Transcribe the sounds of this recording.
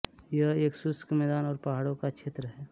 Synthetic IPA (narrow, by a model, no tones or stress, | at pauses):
jəɦeːksʊskmɛːd̪aːnɔːɾpɐɦaːɽõkakʃʰeːt̪ɾəɦɛː